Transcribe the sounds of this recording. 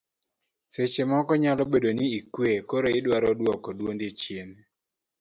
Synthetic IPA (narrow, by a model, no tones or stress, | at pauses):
set͡ʃemɔkɔɲalɔbedoniikwekoɾoɪdwaɾɔdwɔkɔdwondet͡ʃjen